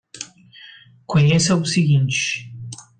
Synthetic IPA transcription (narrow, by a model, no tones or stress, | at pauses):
kʰõɲɛsɐusɪɡʲĩnt͡ʃ